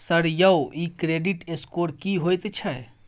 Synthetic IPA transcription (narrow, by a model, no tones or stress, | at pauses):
sɐɾjɐwiːkɾeːɖiʈeskoːɽkiɦoːjt̪t͡ʃʰɛ